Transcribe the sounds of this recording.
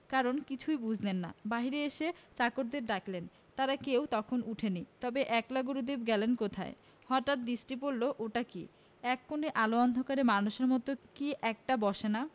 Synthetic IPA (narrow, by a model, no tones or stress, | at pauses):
kaɾonkit͡ɕʰujbud͡ʑʱlenːa̰baɦiɾeeʃet͡ɕakoɾd̪eɾɖaklen | t̪aɾakewt̪ɔkʰonuʈʰenit̪ɔbeʔɛklaɡuɾod̪ibɡɛlenkot̪ʰa̰e | hɔʈaʈ̪̚d̪ɾisʈipoɾloʔoʈakḭ | ɛkːoneʔaloɔnd̪ʱokaɾemanuʃeɾmɔt̪okiʔɛk̚ʈabɔʃena